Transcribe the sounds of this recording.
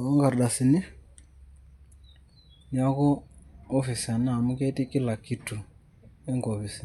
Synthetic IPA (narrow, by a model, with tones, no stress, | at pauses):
ɔ˦ŋɡa˨ɾɗa˨si˨ni˦ | ni˨a˦ɣɔː˦fi˨si˨a˨na˨mu˦ke˦ti˦ki˦la˨ki˨tu˨ | ɛ˦ŋɡɔ˨βi˨si˨